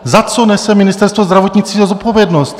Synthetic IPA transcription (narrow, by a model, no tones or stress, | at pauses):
zat͡sɔnɛsɛminist̪ɛɾst̪vɔzd̪ɾaʋɔt̪ɲit͡s̪izazɔt̪̚pɔvjɛd̪nɔsc